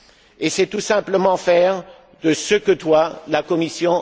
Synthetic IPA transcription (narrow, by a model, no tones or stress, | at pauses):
esɛt̪usɛ̃pləmɑ̃fɛʁ | d̪əsəkət̪walakɔmisjɔ̃